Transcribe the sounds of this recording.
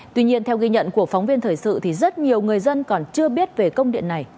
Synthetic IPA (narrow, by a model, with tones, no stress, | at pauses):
wi˧ɲi˧ənt̪ʰɛ˧wɣi˧ɲə̰˧˨nku˧˩əfɔ˨˦wŋ͡mvi˧ənt̪ʰəː˨˩jsɨ̰˧˨t̪ʰi˨˩zə˦˥t̚ɲi˨˩əwŋɨ˨˩əjzə˧nkɔ˨˩nt͡ɕɨ˧əɓi˦˥ət̚ve˨˩kə˧wŋ͡mɗḭ˧˨ənːa˨˩j